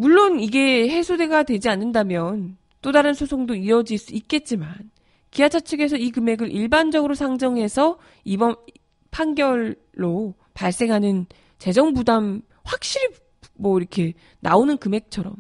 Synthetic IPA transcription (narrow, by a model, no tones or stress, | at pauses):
muɭːoniɡe̞he̞sʰode̞ɡadwe̞d͡ʑianːɯndamjʌn | t͈odaɾɯnsʰosʰoŋdoiɾʌd͡ʑiɭs͈uit̚k͈e̞t̚t͡ɕ͈iman | kiɦat͡ɕʰat͡ɕʰɯɡe̞sʰʌikɯme̞ɡɯɾʔiɭband͡ʑʌɡɯɾosʰaŋd͡ʑʌŋɦe̞sʰʌ | ibʌn | pʰanɡjʌɭː | o | paɭs͈e̞ŋɦanɯn | t͡ɕe̞d͡ʑʌŋbudam | ɸwak̚ɕ͈iɾi | mwʌiɾʌkʰe̞ | naonɯnkɯme̞k̚t͡ɕʰʌɾʌm